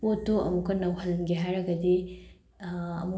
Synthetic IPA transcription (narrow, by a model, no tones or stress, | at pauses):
otːoɐmukɐnɐwɦɐlnɡeɦajɾɐɡɐdi | ɐmu